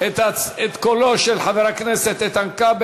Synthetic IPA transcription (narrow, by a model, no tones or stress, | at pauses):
et̪aet̪koloʃelħaveʁakneset̪et̪ankab